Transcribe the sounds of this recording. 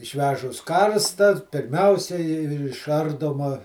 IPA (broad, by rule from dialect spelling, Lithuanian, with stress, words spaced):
ɪʃʲˈʋʲæːʒʊs ˈkɐrstɐ pʲɪrʲˈmʲɛʊsʲɛɪ ɪʃˈɐrdoːmɐ